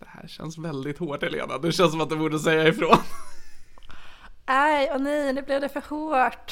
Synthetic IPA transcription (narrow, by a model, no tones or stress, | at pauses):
d̪̥ɛhæ̰ːɾɕɛ̰nsvɛld̪ɪt̪hoːʈːɪlḛːna̰d̪ɛɕɛnsɔmat̪̚d̪ɛbuːɖəsɛjːaɪfɾoːn | ajɔnɛjnʉblɪd̪ɛfœɾhoːʈ